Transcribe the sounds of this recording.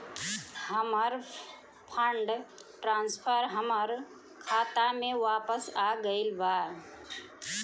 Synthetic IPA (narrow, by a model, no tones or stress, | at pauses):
ɦəməɾ | pʰəɳɖʈɾãnspʰəɾɦəməɾ | kʰat̪ameʋapəsaɡəɪlbaɾ